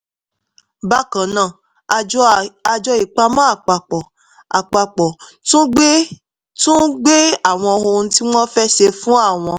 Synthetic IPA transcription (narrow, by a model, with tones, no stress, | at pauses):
ba˦kã˨nã˨˦˨ | a˧d͡ʒɔ˧i˨k͡pa˧mã˦a˦˨k͡pa˨k͡pɔ˨ | a̰˨k͡pa˧k͡pɔ˨ | tũ˦e˦ | tũ˦ɡ͡be˦a˦˨w̃ɔ̃˧ho˧ñ̩˦ti˦mɔ̃˦fɛ˦ʃe˧fũ˦a˦˨w̃ɔ̃˧